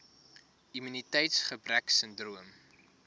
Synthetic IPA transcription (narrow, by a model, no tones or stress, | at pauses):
imynitɛjtsχəbræksəndruəm